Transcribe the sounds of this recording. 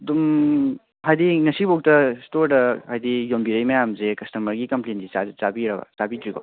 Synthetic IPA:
dum | ɦajdiŋɐsibok̚tɐstoɾdɐhajdijombiɾɐjmɐjamzekɐstɐmɐɾɡikɐmplendizazabiɾɐɡɐ̰z̥abidɾiɡo̰

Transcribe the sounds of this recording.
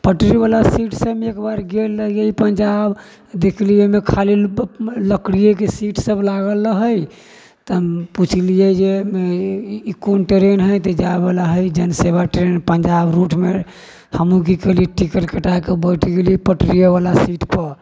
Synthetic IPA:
pəʈɾibalasiʈsəekbaɾɡelːəijeipənd͡ʒab | d̪ekʰlijemekʰaliləkɽijek̬esiʈʰsəblaɡəlːəɦəj | t̪əmput͡ʃʰlijed͡ʒemeikonʈɾenɦəjt̪əd͡ʒaebelaɦəjd͡ʒənsebaʈɾenpənd͡ʒabɾuʈʰme | həmũk̬ikəɦliʈikəɾkəʈajkebəjʈʰɡelipəʈɾijeβalasiʈpəɾ

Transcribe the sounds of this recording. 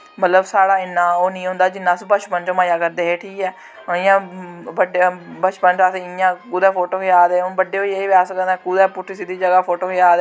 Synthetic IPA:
mət̪ləbsaːɽaːɪnːãːoːnĩːɦʊ̃nd̪aːd͡ʒɪnːãːsbət͡ʃpənt͡ʃõːmaːjaːkəɾd̪eːɦeːʈʰiːkɛː | ɪjãːbəɖbət͡ʃpənt͡ʃasjãːkuːd̪ɛːpʰoːʈoːkɪjaːd̪eːoːbəɖeːoːieːʋaːsəkəd̪ɛːkuːd̪ɛːpʊʈʰːisid̪iːd͡ʒəɡaːpʰoːʈoːkɪjaːd̪

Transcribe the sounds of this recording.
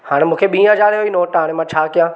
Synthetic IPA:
haːɽ̃mũːkʰeɓĩːɦɐzaːɾoinoːʈɦaːɽ̃emãt͡ɕʰaːkijãː

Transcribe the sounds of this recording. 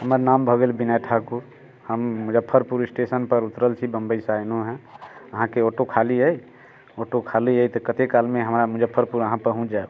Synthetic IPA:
ɦəməɾnambʱəɡelbinaʈʰakuɾ | həmmud͡ʒəpʰːəɾpuɾɪsʈesənpəɾut̪ɾəlt͡ʃʰibəmbəisajnoɦɛ̃əɦãkeoʈokʰaliɦəj | oʈokʰaliɦəjt̪ɔkət̪ekalmeɦəmɾamud͡ʒəpʰːəɾpuɾəɦãpəɾɦũt͡ʃʰd͡ʒa

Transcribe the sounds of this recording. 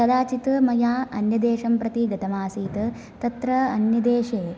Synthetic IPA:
ɐd̪aːt͡ʃit̪mɐjaːɐnjɐd̪eːʂɐmpɾɐt̪iɡɐt̪ɐmaːsiːt̪ɐ | t̪ɐt̪ɾɐɐnjɐd̪eːʂeː

